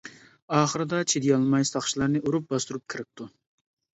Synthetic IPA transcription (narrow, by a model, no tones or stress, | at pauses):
ɑːχəɾɨd̪ɑt͡ʃʰed̪ijɑlˠmɑjsɑχʃilˠɑɾnɨʔuɾup̚bɑst̪uɾup̚kʲʰiɾɪp̚t̪ʰu